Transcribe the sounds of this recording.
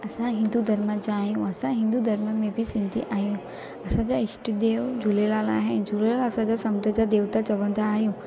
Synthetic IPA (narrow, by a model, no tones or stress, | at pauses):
ɐsãɦɪ̃nd̪ud̪ʱɐɾməd͡ʑaːɦijũɐsãɦɪ̃nd̪ud̪ʱɐɾməmẽbʱɪsɪ̃nd̪ʱḭʔaːɦjũ | ɐsãd͡ʑaɪʃʈid̪eːʋd͡ʑʱulelaːlaːɦed͡ʑʱulelaːlɐsãd͡ʑasɐmd̪əd͡ʑad̪eːʋt̪at͡ɕɐʋə̃nd̪aːɦijũ